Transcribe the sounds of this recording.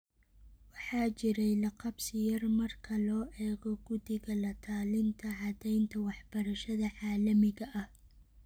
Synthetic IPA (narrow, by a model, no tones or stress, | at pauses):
wɑħɑːt͡ʃɪɾɛjlɐqɑbsɪjɐrmɐrkʰɐlɔːʔɛːɣɔɡʊðɪɣɐlɐt̪ʰaːlɪnt̪ʰɐʕɑd̪ɛjnt̪ʰɐwɑħb̥ɐɾɐʃɐðɐʕɑːlɐmɪɣɐʔɐh